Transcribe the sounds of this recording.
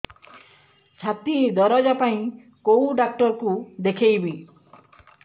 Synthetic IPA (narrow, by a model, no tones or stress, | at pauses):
t͡ʃʰat̪id̪ɔɾɔd͡ʒapaĩ | kowɖak̚ʈɔɾkud̪ekʰejbi